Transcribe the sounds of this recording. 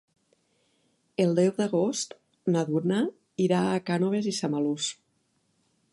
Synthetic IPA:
elˠd̪ɛwðaɣost̪ | naðuɾna | iɾaːkanoβ̞ezisamalus

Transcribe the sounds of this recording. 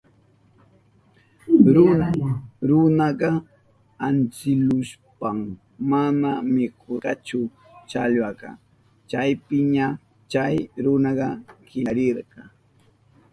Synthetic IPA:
ɾʊnaɾʊnɑɢɑ | ant͡sɪlʊʃpam | manamɪkʰoqɑt͡ʃʊ | t͡ʃaʎwɑɢɑ̰ | t͡ʃajpɪɲa | t͡ʃajɾʊnɑɢɑkɪɾɪɾɢɑ

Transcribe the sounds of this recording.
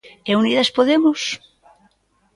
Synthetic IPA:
euniðaspoðemos

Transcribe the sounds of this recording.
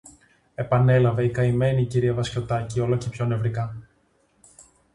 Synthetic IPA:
e̞pɐne̞lɐve̞ikɐime̞niciɾiɐvɐsco̞t̪ɐcio̞locepço̞ne̞vɾikɐ

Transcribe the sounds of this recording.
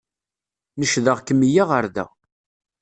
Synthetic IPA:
nəʃðəʁkːəmːijaʁəɾðæ̰

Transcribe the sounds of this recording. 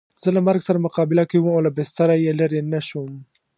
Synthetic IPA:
z̥əlamaɾɡsaɾamʊqɑbɪlakawumolabɪst̪aɾajelaɾenaʃum

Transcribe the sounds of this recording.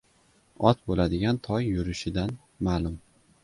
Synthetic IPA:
ɒt̪bolad̪ɪɡʲant̪ʰɒjːʊɾɪʃɪd̪an | maːlʊm

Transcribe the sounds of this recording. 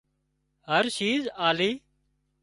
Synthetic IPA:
ɦəɾʃiːzaːliː

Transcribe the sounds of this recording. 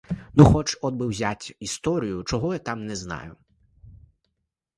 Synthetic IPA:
nuxɔt͡ʃɔd̪̚bɪwzʲatʲist̪ɔɾʲijʊt͡ʃɔɦɔjat̪ɑmnɛznɑ̰jʊ

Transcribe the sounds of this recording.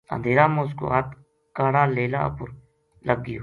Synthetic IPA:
ə̰nd̪ʱeːɾaːmẽʊs̬ko̰ɦat̪ | kaːɽaːleːla̰ːpʊɾ | ləɡːɪjo

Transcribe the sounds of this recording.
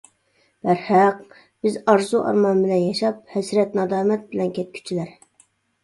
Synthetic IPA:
b̥æɾhæq | b̥ɪzɑɾzuʔɑ̰ɾmɑnbɪlɛnjɑʃɑp̚hɛsɾɛt̪nɑd̪ɑːmɛt̪̚bɪlɛnkʲʰɛt̪̚kʲʰy̥t͡ʃʰilæɾ

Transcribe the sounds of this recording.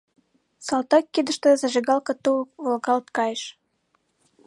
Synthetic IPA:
sɑlt̪ɑkːid̪ə̆ʃt̪ə̆zɑʒeɣɑlkɑt̪uvolɣɑlt̪kɑjəʃ

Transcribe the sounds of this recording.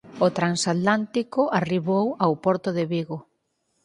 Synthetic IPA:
ot̪ɾansat̪lant̪ikʊʔariβowawpɔɾt̪ʊðɪβiɣo

